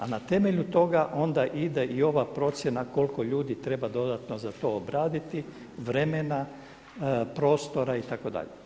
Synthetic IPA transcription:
anat̪e̞me̞ʎut̪o̞ɡaʔo̞nd̪aʔid̪eʔio̞ʋapɾo̞t̪sʲje̞nako̞lko̞ʎuːd̪it̪ɾe̞bad̪o̞d̪at̪no̞zat̪o̞obɾaːd̪it̪i | ʋɾe̞mena | pɾo̞ːst̪o̞ɾait̪ako̞d̪a̰ʎe

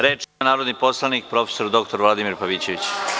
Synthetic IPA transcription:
ɾe̞ːt͡ʃnaːɾod̪nipo̞slˠanik̚pɾo̞fe̥so̞ɾd̪o̞k̚t̪o̞ɾʋlˠad̪imiɾpaʋiːt͡ɕe̞ʋit͡ɕ

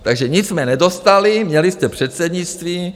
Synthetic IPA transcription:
t̪aɡʒɛɲɪt͡ssmɛnɛdo̞st̪alɪmɲɛlɪst̪ɛpr̝̥ɛt̪sɛdɲɪt͡st̪viː

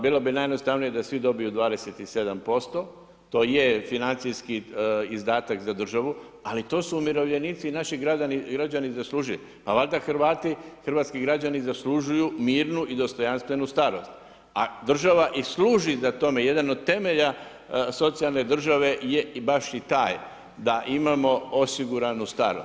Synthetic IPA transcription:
biːlˠo̞binajenost̪aʋnije̞d̪asʋid̪o̞bijud̪ʋaːd̪e̞set̪ise̞d̪ampo̞st̪o̞ | t̪o̞ːjefinant̪sijskiizd̪aːt̪akzad̪r̩ʒaʋu | alit̪o̞ːsuːmiɾo̞ʋʎe̞niːt̪siːnaʃiɡɾad͡ʒaniɡɾad͡ʒanizaslˠuʒil | paʋald̪axɾ̩ʋaːt̪ixɾrʋaːt̪skiɡɾad͡ʑanizasluʒujumiːɾnuʔid̪o̞st̪o̞janst̪ʋe̞nust̪aɾo̞st̪ | a̰d̪r̩ʒaʋaʔisluːʒizat̪o̞me̞je̞d̪ano̞d̪̚t̪e̞me̞ʎa | so̞t̪sijalˠne̞d̪r̩ʒaʋe̞jebaʃit̪aːj | d̪aʔimamo̞o̞siɡuɾanust̪a̰ɾo

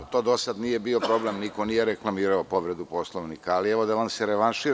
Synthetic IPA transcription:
t̪o̞ːd̪osad̪nijebio̞pɾo̞blemniko̞nijeɾeklˠamiːɾaopo̞ʋɾed̪uposlˠoʋnikaːliɛʋo̞d̪aʋanseɾeʋanʃi

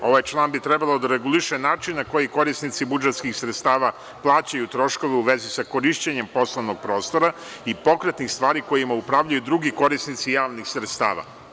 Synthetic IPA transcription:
o̞ʋajt͡ʃlˠaːnbit̪ɾɛbalod̪aɾeɡuliʃenaːt͡ʃinːako̞jiko̞ɾisnit̪sibud͡ʒet̪skixsɾet̪st̪aːʋa | plˠaːt͡ɕajut̪ɾo̞ʃko̞ʋeuʋe̞zisako̞ɾiʃt͡ɕeɲe̞mpo̞slˠoʋnoɡ̚pɾo̞ːst̪o̞ɾa | ipo̞kɾet̪nixst̪ʋaːɾiko̞jimaupɾaːʋʎajud̪ɾuɡiko̞ɾisnit̪sijaːʋnixsɾet̪st̪a̰ːʋa̰

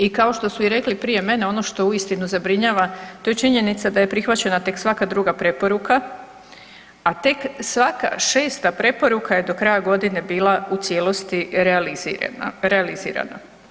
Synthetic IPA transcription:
ikao̞ʃt̪o̞suiɾe̞klipɾije̞me̞ne̞o̞no̞ʃt̪o̞uist̪inuzabɾiɲaːʋat̪o̞je̞t͡ʃiɲe̞nit̪sad̪aje̞pɾixʋat͡ɕe̞nat̪e̞ksʋakad̪ɾuɡapɾe̞po̞ɾuka | at̪e̞ksʋaka̰ʃe̞ːst̪apɾe̞po̞ɾukʰaje̞d̪o̞kɾajaɡo̞d̪ine̞biːlˠaut̪sje̞ːlo̞st̪iɾealiḭɾealizḭːɾa̰na̰

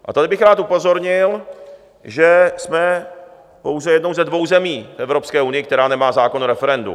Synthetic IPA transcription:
ʔa̰t̪adɪbɪxɾaːt̪upo̞zo̞ɾɲɪl | ʒɛsmɛ | po̞wzɛjɛdnowzɛdvo̞wzɛmiːfʔɛvɾo̞pskɛːʔunɪjɪkt̪ɛɾaːnɛmaːzaːko̞noɾɛfɛɾɛndṵ

